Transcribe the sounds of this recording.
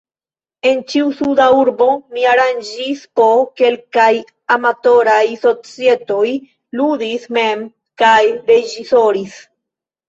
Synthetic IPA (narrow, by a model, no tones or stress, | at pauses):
e̞nt͡ʃiusudauɾbo̞miaɾand͡ʒispo̞ke̞lkaj | amato̞ɾajso̞t͡sie̞to̞j | ludisme̞m | kajɾe̞d͡ʒiso̞ɾis